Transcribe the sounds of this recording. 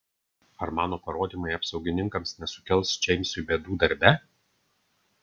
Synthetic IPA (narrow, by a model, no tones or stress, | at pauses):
ɐɾmɑːnoːpɐɾoːd̪ʲiːmɐɪɐpsɒʊɡʲɪnʲɪŋkɐmsnʲɛsʊ̥kʲɛlˠst͡ʃʲɛɪmʲsʲʊbʲeːd̪uːd̪ɐɾʲbʲɛ